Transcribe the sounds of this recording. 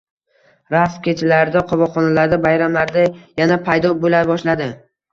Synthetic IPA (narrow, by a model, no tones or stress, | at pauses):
ɾaskʲet͡ʃʰɪlaɾd̪aqʰɒvɒχɒnalaɾd̪abajɾamlaɾd̪ajanapʰajd̪ɒbolaɾbɒʃlad̪ɪ